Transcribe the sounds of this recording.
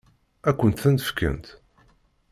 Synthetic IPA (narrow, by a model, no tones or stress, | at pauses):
ækʷːənt̪θænt̪əfkə̰nt̪